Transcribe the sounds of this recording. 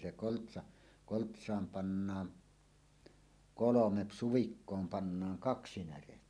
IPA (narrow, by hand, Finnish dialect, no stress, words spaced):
se koltsɑ koltsˑɑːm pɑnːɑːn kolomep suʋikːoːm pɑnːɑːŋ kɑksi næretːæ